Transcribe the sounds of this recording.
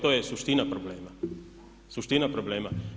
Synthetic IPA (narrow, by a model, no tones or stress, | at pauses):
t̪ojɛsuʃt̪inapɾobleːma | suʃt̪inapɾobleːma